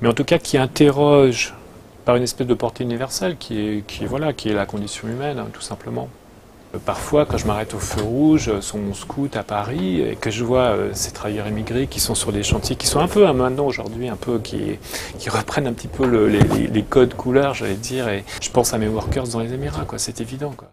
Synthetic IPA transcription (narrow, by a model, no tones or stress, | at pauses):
mɛɑ̃t̪ukakʲʰiɛ̃t̪eʁɔʒ | paʁynɛspɛzd̪əpɔʁt̪eynivɛʁsɛlkʲʰiɛkʲʰiɛvwalakʲiɛlakɔ̃d̪isjɔ̃ymɛnɛ̰̃t̪u̥sɛ̃pləmɑ̃ | paʁfwakɑ̃ʒəmaʁɛt̪oføʁuʒøsyʁmɔ̃skʰut̪apaʁiḛkəʒəvwaø̰se̥t̪χavajœʁemiɡʁekʲisɔ̃syʁleʃɑ̃t̪ʰjekʲi̥sɔ̃ɛ̃pøɛ̃mɛ̃t̪nɑ̃oʒuʁd̪ɥiɛ̃pʰøkʰʲḭkʲiʁəpχɛnɛ̃pət̪ipʰøləlḛlḛlekɔd̪əkʰulœʁʒaled̪iːʁeʒ̥əpɑ̃samewɔʁkœʁs̬d̪ɑ̃lezemiʁakwasɛt̪evid̪ɑ̃kwa